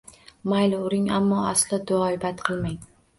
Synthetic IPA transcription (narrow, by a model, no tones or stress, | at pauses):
majlɪʊɾɪŋamːɒaslɪd̪ʊɒjbat̪qʰɨlˠmaŋ